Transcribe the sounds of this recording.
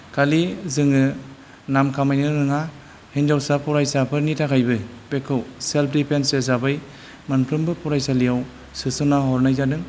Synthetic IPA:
kʰalizɯŋɯ | namkʰamajnɯɾɯŋa | hind͡ʒawsapɔɾajsapʰɯnitʰakʰajbɯ | bekʰɯwselp̚ʰdipʰensezabɯj | manpʰɾɯmbɯpʰɔɾajsalijaw | sɯsɯnaɦɔɾnajzadɯŋ

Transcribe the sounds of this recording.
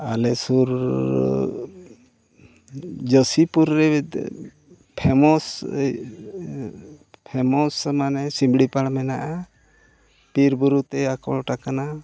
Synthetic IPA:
alɛsuɾ | d͡ʒəsipuɾːɛ | pʰɛmɔs | pʰɛmɔsmanɛsimbɽipaɽmɛnaʔa | piɾbuɾut̪ɛakɔɭɔʈakana

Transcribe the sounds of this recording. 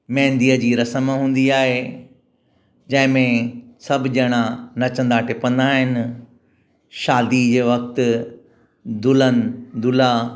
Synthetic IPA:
mɛ̃ɦɪ̃nd̪iːəd͡ʑiːɾɐsəmɦũːn̆d̪iaːɦe | d͡ʑɐ̃ɦɪ̃mẽsɐbʱɪd͡ʑɐɽ̃anɐt͡ɕə̃nd̪aːʈʰɪpə̃nd̪aːɦɪnɪ̆ | ʃaːd̪id͡ʑeːʋɐk̚t̪ | d̪ʊlənɪ̆d̪ʊla

